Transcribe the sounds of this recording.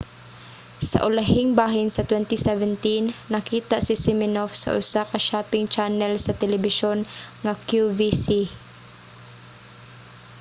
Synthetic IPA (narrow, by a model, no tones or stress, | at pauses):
sɐ̰ʔʊlaɦɪŋbaːɦɪnsɐt̪wɛnt̪isɛvɛnt̪inːɐkiːt̪aʔsɪsɪmɪnofsɐ̰ʔʊ̰sakaʃaːpɪŋt͡ʃanɛlsɐt̪ɛlɛbɪʃonŋakjuvisi